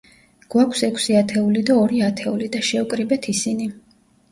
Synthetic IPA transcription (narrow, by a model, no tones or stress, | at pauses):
ɡ̥wakʰsɛkʰsiat̪ʰɛulid̪aɔɾiat̪ʰɛulid̪aʃɛukʼɾibɛt̪ʰisini